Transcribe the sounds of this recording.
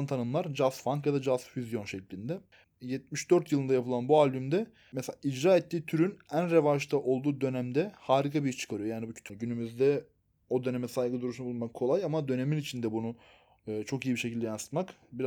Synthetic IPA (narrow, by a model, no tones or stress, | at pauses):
nt̪ʰanɯmlˠaɾd͡ʒaz̥faŋkjad̪ad͡ʒaz̥fyzjo̞nʃɛclʲind̪ɛ | jɛt̪̚miʃd̪ø̞ɾt̪jɯlˠɯnd̪ajapʰɯlˠanbualʲbymd̪ɛ | mɛseaːʔid͡ʒɾaːet̪ʰːiːt̪ʰyɾynænɾe̞vaʃt̪ʰaʔo̞lˠd̪uːd̪ø̞næmd̪ɛhaːɾikʰabijiʃt͡ʃʰɯ̥kʰaɾɯjo̞jaːnibucʰy̥t̪ʰɟynymyzd̪ɛ | o̞d̪ø̞ne̞mɛsajɡɯd̪uɾuʃnabulˠmakkʰo̞lˠajamad̪ø̞ne̞minit͡ʃʰind̪ɛbunuː | t͡ʃʰo̞kijibiʃecilʲd̪ɛjansɯ̥t̪makbiɾ